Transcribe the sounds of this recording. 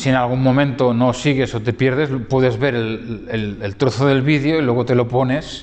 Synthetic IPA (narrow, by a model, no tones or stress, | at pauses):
sienalɣ̞uŋmõ̞mẽnt̪onosiɣ̞esot̪e̞pjeɾðezpweðezβe̞ɾelelelt̪ɾoθoðe̞lβiðjoilweɣ̞ot̪e̞lo̞pone̞s